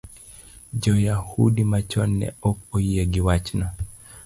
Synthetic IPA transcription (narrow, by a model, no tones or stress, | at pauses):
d͡ʒɔjahṵdimat͡ʃɔnːɛ̰ɔkojieɡɪwat͡ʃnɔ